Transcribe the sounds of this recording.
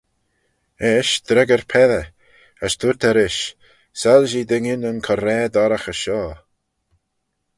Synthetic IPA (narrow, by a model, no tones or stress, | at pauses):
ɛʃd̪ɾɛɡəɾpʰɛðə | əst̪ʰuɹt̪ʰɛɾɪʃ | salʒiːd̪ɪŋɪnənkʰɔɾɛːd̪ɔɾəxəʃɔː